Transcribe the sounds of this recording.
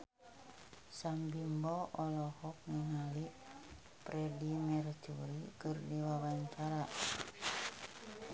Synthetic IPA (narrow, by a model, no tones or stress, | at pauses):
sambimbɔʔɔlɔhɔk̚niŋaliʔ | pɾɛdimɛrt͡ʃuɾikərdiwawaɲt͡ʃaɾa